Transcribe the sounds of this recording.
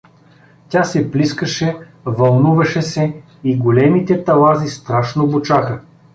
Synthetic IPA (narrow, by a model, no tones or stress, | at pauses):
tʲasɛpliskəʃɛ | vɐlˠnuvɐʃɛsɛ | iɡolɛmit̪ɛt̪ɐlˠazist̪ɾaʃnobot͡ʃaxə